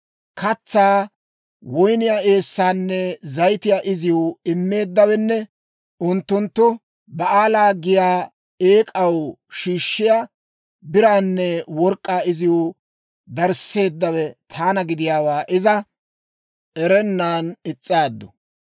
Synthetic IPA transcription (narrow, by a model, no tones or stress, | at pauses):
kʰɐt͡sːaː | wɔjnɪjaːʔe̞ːsːaːnːɛzɐjt̪ɪjaːʔɪzɪjʊɪmːe̞ːd̪ːɐwɛnːɛ | ʔʊnt̪ːʊnt̪ːʊ | bɐaːlaːɡɪjaː | eːkʼɐwʃiːʃːɪjaː | bɪɾaːnːɛwɔɾkʼːaːɪzɪjʊ | d̪ɐɾse̞ːd̪ːɐwɛt̪ʰaːnɐɡɪd̪ɪjaːwaːʔɪzɐ | ɛɾɛnːaːnɪt͡sʼːaːd̪ːɔ